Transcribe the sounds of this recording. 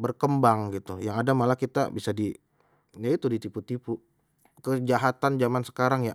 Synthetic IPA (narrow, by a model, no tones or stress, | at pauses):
bərkəmbaŋɡit̪ujaŋadamalakit̪a̰bisadi | jait̪udit̪iput̪ipu | kəd͡ʒaɦat̪and͡ʒamansə̥kaɾaŋja